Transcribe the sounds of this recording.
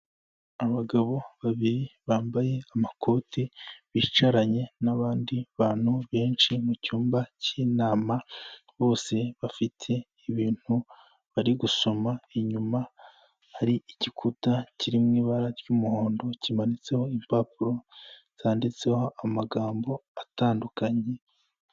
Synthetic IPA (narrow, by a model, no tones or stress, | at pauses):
aβaɡaβo̞βaβiɾiβaːmbaje̞amakʰo̞ːtʰiβiːt͡ʃaɾaɲe̞naβaːndiβaːn̥huβe̞ːnt͡ʃimucuːmbaciːnaːmaβo̞ːse̞βafitʰe̞ | iβiːn̥u | βaɾiɡuso̞maeɲuma | haɾiiɟikʰutaciɾimŋiːβaɾaɾɟumuhoːndo̞cimanit͡se̞ho̞impapuɾo̞ | z̥aːndit͡se̞ho̞ʔamaɡaːmbo̞ataːndukaɲe̞